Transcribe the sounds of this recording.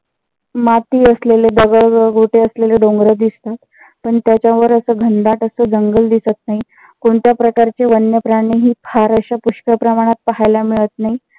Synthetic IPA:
mat̪iːəsleled̪əɡəɭɡʱoʈeəsleleɖõŋɡɾəd̪ist̪at̪ | pəɳt̪jat͡ɕjaʋəɾəsəːɡʱənd̪aʈəsəːd͡zəŋɡəld̪isət̪̚naɦi | koɳt̪japɾəkaɾt͡ɕeʋənjəpɾaɽ̃iɦiːpʰaɾəɕapuɕkəpɾəmaɽ̃at̪̚pəɦajlamiɭət̪̚naɦi

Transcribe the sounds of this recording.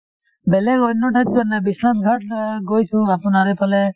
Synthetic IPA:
bɛlɛkɔjnɔʈʰat̚d͡ʒɔnabisnasɡʱatɡojsũapʊnaɾɛpʰalɛ

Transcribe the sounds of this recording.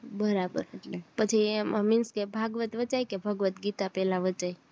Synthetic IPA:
bəɾabə̰ɾeʈlepət͡ʃʰiməminskebʱaɡʋət̪ʋət͡ʃajkebʱəɡʋət̪ɡit̪apɛlaʋət͡ʃaj

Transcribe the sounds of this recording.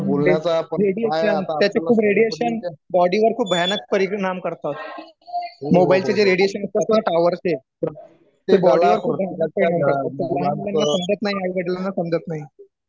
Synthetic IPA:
oleaɾeɽieʃənt̪jat͡ɕekʰuːbɾeɽijeɕənbɔɽiʋəɾkʰuːpb̚bʱəjanək̚pəɾiɳamkəɾt̪at̪̚ | mobailt͡ɕed͡ʑeɾeɽieɕənəst̪eat̪eɦaʈaʋəɾt͡ɕe | t̪ebɔɽiʋəɾkʰuːbʱjanək̚pəɾiɾɳamkəɾt̪at̪̚ːeɾaljanːasəmd͡ʑət̪naɦiaiʋeɽiljanːasəmd͡zət̪naɦi

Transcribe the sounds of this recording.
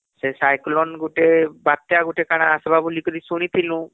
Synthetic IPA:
sesajklɔnɡuʈebat̪jaɡuʈekaɽ̃aːsbabulikɔd̪isuɽ̃it̪ʰilũ

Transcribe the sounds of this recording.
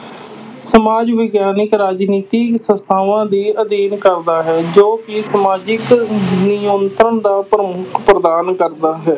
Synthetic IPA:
səmaːd͡ʒʋɪɡjaːnɪkɾaːd͡ʒniːt̪iːsəst̪ʰaːʋãːd̪iːəd̪iːnkəɾd̪aːɦɛːd͡ʒoːkɪsəmaːd͡ʒɪknɪjõːnt̪ɾənd̪aːpɾəmʊkʰpɾəd̪aːnkəɾd̪aːɦɛː

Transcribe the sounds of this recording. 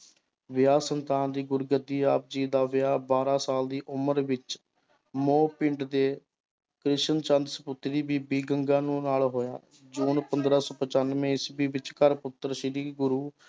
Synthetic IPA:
ʋɪjaːsənt̪aːnd̪iːɡʊɾɡəd̪iːaːp̚d͡ʒiːd̪aːʋɪjaːbaːɾaːsaːld̪iːʔʊməɾʋɪt͡ʃ | moːpɪɳɖd̪eː | kɾɪʃənt͡ʃənd̪səpʊt̪ɾiːbiːbiːɡəŋɡãːnũːnaːlɦoːja̰ː | d͡ʒuːnpənd̪ɾaːsoːpət͡ʃənmẽːɪsbiːʋɪt͡ʃkəɾpʊt̪ːəɾʃɪɾiːɡʊɾuː

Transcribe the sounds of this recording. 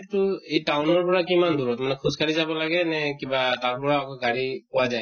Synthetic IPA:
tʊejtawnɔɹpɔɹakimand̪uɹɔtmanɛkʰuzkaɹizabɔlaɡɛnɛkibataɹpɔɹaːkɔɡaɹipɔwazaj

